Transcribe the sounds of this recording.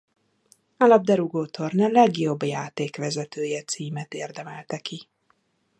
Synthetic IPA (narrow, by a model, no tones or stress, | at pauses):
alɒb̚d̪ɛɾuɡoːt̪ʰo̞rnɛlɛɡjo̞bːjaːt̪eːkʋɛzɛt̪øːjɛt̪siːmɛt̪eːrd̪ɛmɛlt̪ɛki